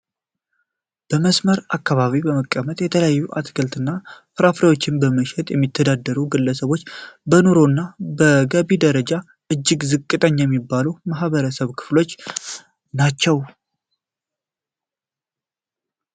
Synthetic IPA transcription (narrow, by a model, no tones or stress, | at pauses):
b̥əməsməɾakːaβaβibəməkʼːəmət̪ʼjɛt̪ʰələjajːuʔa̰t̪ɡʰəlt̪ɨnːafɨɾafɾewo̞t͡ʃːɪnbəməʃɛt̪ʼjɛmːit̪ʰːəd̪ad̪ːəɾuɡɨlːəsəβo̞t͡ʃːbənoɾo̞nːabəɡəβid̪əɾəd͡ʒa | ʔɨd͡ʒːɪɡzɨkʼːɨt̪ʼəɲːjɛmːibːalumaɦβəɾəsəβkʰɨ̥flo̞t͡ʃː | nat͡ʃːɛw